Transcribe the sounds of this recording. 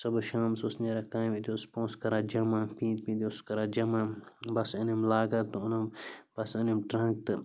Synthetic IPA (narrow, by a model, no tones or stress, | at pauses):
sɐbɐʃaːmsosneɾɐkaːmit̪ʲiospõːskɐɾad͡ʒɐmãpĩːt̪̚pĩd̪ʲioskɐɾad͡ʒɐmabɐsɐnimlaːɡɐt̪unɐb̥ɐsɐnimʈɾɐk̚t̪ɨ